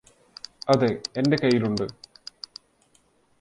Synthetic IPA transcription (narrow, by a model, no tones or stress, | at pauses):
ɐðɨe̞nde̞kɐjːiluɳɖɨ